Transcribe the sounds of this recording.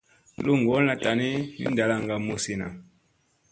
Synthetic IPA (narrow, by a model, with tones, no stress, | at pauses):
lu˦ŋɡɔ˨˦a˨ta˨ni˦nḭ˦n˦da˨la˦ŋɡa˨mu˨si˨na̰˨